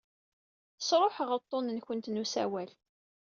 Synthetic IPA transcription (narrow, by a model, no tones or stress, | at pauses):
ə̥sɾˤoħəʁəɾt̪ˤːonənçənt̪nusæwæl